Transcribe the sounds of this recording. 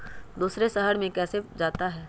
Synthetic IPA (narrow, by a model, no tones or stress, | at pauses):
d̪uːsɾesɐɦəɽmẽkɛːsed͡ʒaːt̪aɦɛː